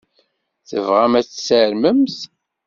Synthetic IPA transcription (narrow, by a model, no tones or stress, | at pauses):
θəvʁæmæt͡sːsəɾməmθ